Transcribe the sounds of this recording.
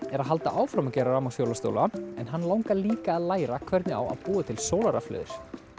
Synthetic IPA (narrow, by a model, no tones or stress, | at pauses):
ɛɾaðɦal̪t̪aʔaːwfɾamacɛːɾaɾamawsfjowlast̪o̰wlaɛnɦanːlawŋkaliːkaːðlaːjɾakʰvɛɾt̪nɪa̰ːwa̰ðpuːat̪ʰɪlsoːwlaɾaflœ̰ːðɪ̰ɾ̥